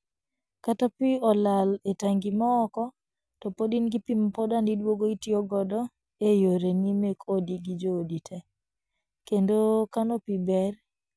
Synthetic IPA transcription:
katapiɔlaletaŋɡimɔːkɔ | tɔpodinɡipimpɔdandidwoɡoitiɔɡɔdɔ | ejoɾenimekʰodiɡid͡ʒoːditʰɛ | kendokanopibɛr

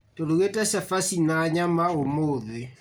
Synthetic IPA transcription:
toloɣetɛsɛfasinaɲamaomoðe

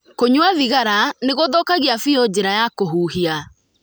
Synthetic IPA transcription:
koɲwaðiɣaɾaneɣoðɔkaɣiafiod͡ʑeɾajakoɦuːhia

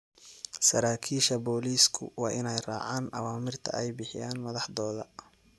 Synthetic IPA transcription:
sɐɾaːkʰiːʃɐbɔːliːskʰʊ̰wɑːʔɪnɛjrɑ̰ːʕaːnʔɐ̰waːmɪrt̪ʰɐ̰ʔɛjbɪħɪjaːnmɐðɑħd̪ɔːðɐ

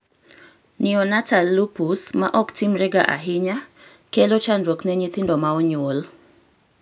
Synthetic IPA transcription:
nɪɔnatalːupusmaʔɔktimɾɛɡaʔa̰ɦɪɲa | kelot͡ʃanɾoknɛɲit̪ɪndɔmaɔɲol

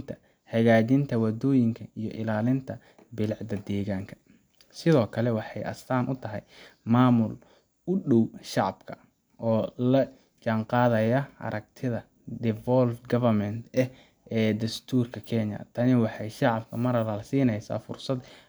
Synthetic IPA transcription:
nt̪ʰɐ | hɐɣaːt͡ʃɪnt̪ʰɐwɐd̪ɔːjɪŋkʰɐijɔ̰ʔɪlaːlɪnt̪ʰɐ | bɪlʕd̪ɐd̪ɛːɣaːŋkʰɐ̥ | sɪðɔːkʰɐlɛwɑħɑjʔɐ̰st̪ʰaːnʔʊt̪ʰɐɦɛjmaːmʊl | ʊɗɔwʃɑʕɑbkʰɐ | ʔɔːlɐ | t͡ʃaɴqɑːðɐjɐʔɐ̰ɾʔɐɡ̚t̪ʰɪðɐ | d̪ɪvɔlfɡɐvɐrmɛnt̪ɛh | ɛːd̪ɐst̪ʰuːrkʰɐkʰɛɲjɐ̰t̪ʰɐnɪwɑħɑjʃɑʕɑbkʰɐmɐɾɐɾɐlsiːnɛjsa̰ːfʊ̰rsɐd̪

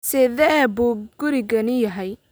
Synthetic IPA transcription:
sɛːðɛbuːɡ̥ʊɾɪɣɐnɪjɐɦɛj

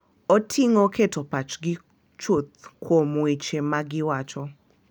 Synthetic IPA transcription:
otʰiŋokʰetopat͡ʃɡɪ | t͡ʃot̪̚kʰomwet͡ʃemaɡɪwat͡ʃɔ

